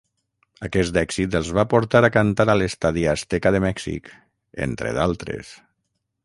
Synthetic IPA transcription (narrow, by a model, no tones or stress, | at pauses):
akɛsd̪ɛksit̪əlˠzβapuɾt̪aɾakant̪aɾalest̪aðiast̪ɛkaðəmɛksḭk | ḛnt̪ɾḛðalˠt̪ɾḛs